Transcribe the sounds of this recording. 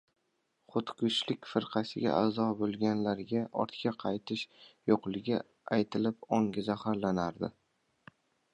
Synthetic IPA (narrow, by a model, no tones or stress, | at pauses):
χʊt̪kʊʃlɪkʲfɪɾqʰɑsɪɡʲa̰ʔazɒbolˠɡʲanlaɾɡʲaɒ̰ɾt̪kʲʰaqʰɑjt̪ʰɪʃjoqlˠɪɡʲa | ajt̪ʰɪlɪpɒŋɡʲazahaɾlanaɾd̪ɪ̰